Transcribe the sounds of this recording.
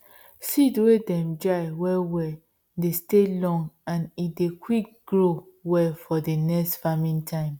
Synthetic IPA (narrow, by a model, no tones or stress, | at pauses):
sidwedɛ̃md͡ʒaɪwɛwɛ | destelɔ̃ŋɡãnidekʰwik̚ɡ̥ɹo | wɛfɔdenɛkstfamĩntʰãɪ̃m